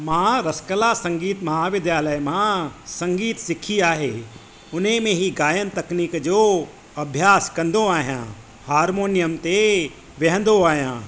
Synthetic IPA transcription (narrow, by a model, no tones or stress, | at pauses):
mãɾɐskəlasɐ̃ŋɡiːt̪mɐɦaːʋɪd̪jaːləjmãsɐ̃ŋɡiːt̪sɪkʰiaːɦḛ | ʊnɦẽmẽɦiɡaːjənt̪ɐkniːkd͡ʒo | ɐbʱjaːskɐ̃nd̪ʱoaːɦjã̰ː | haːɾmoːnijəmt̪e | ʋɛɦn̆d̪oaːɦijã̰ː